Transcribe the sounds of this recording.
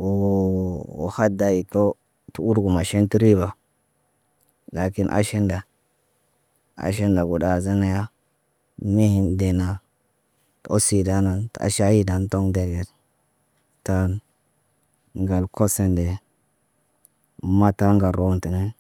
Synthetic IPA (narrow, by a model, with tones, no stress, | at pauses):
o˨ | o̰˨ha˦da˨ji˨to˦ | tu˦u˦ɾɡu˨ma˨ʃe˦nti˦ɾi˦ba˨ | la˨ki˦nʔa̰˦ʃe˦nda˨ | a̰˨ʃ̬e˦nda˨ɡu˨da˨za˦na˦ja˦ | mi˦hi˦nde˨na˨ | to˦si˨da˦na˨nta̰˨˦ʃa˦ji˦da˨n˦to˦ŋde˨ɡe˨ɾ | ta˦n | ŋɡa˨lkʰo˦se˦nde˨˦ | ma˦ta˦ŋɡa˨ɾo˦nti˨ne˦